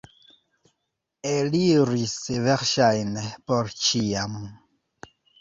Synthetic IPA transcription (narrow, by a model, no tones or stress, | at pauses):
eliɾisevɛʁʃajnɛpɔɾt͡ʃiamu